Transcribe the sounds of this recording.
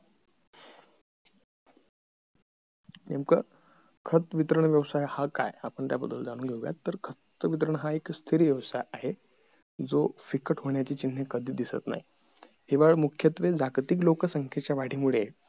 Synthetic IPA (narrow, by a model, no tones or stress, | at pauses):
nemkə | kʰət̪ʋit̪ɾəɳʋjəʋsajhaka̰japəɳt̪jabəd̪ːəld͡zañũːɡʱewɡja̰t̪ːəɾkʰət̪ʋit̪ɾəɳɦaekst̪ʰiɾiːʋjəʋsajaɦe | d͡zofikəʈɦoɳjat͡ɕiːt͡ɕin̤ːekəd̪ʱiːd̪isə̰t̪na̰ɦi | heʋaɭmukʰjət̪ʋed͡zaɡt̪iːk̬lokəsəŋkʰet͡ɕjaʋaɽ̤iːmuɭe